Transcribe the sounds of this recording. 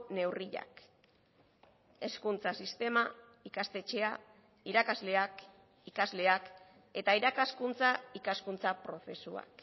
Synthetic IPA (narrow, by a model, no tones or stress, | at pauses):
ne̞wriʎa̰k | e̞skunt͡sasist̪e̞ma | ikast̪e̞t͡ʃe̞a | iɾakazle̞ak | ikazle̞ak | e̞t̪aiɾakaskunt͡saikaskunt͡sapɾo̞fe̞sua̰k